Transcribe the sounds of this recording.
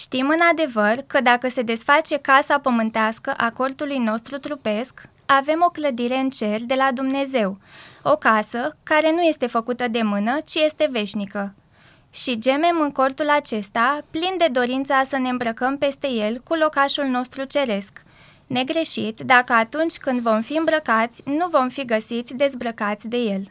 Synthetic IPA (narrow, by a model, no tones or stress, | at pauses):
ʃt̪imɨnad̪e̞vərkəd̪akəse̞d̪e̞sfat͡ʃe̞kasapəmɨnt̪easkəʔako̞rt̪ulujno̞st̪ɾut̪ɾupe̞sk | ave̞mo̞kləd̪iɾe̞ɨnt͡ʃe̞rʲd̪e̞lad̪umne̞ze̞wo̞kasəkaɾe̞nuje̞st̪e̞fəkut̪əd̪e̞mɨnət͡ʃije̞st̪e̞ve̞ʃnikə | ʃid͡ʒe̞me̞mɨŋko̞rt̪ulat͡ʃe̞st̪aplind̪e̞d̪o̞ɾint̪sasəne̞ɨmbɾəkəmpe̞st̪e̞je̞lkulo̞kaʃulno̞st̪ɾut͡ʃe̞ɾe̞sk | ne̞ɡɾe̞ʃit̪d̪akəat̪unt͡ʃʲkɨnd̪vo̞mfiɨmbɾəkat̪sʲnuvo̞mfiɡəsit̪sʲd̪e̞zbɾəkat̪sʲd̪e̞je̞l